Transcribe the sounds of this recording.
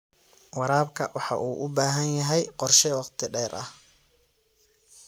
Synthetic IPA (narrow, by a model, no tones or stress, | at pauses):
wɑɾaːbkʰɐwɑħɑ̰ʔuːʔʊbaːɦɐnjɐɦɛjqɔrʃɛwɑqt̪ʰɪɖɛːɾʔɐ̰h